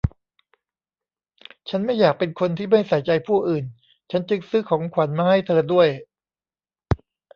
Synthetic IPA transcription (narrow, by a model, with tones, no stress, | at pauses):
t͡ɕʰa˦˥nma˥˩jːaː˨˩k̚pe˧nkʰo˧nt̪ʰiː˥˩ma˥˩jsa˨˩˦jt͡ɕa˧jpʰuː˥˩ʔɯː˨˩n | t͡ɕʰa˦˥nt͡ɕɯ˧ŋsɯː˦˥kʰɔː˩˦ŋkʰwa˩˦nmaː˧ha˥˩jt̪ʰɤː˧du˥˩əj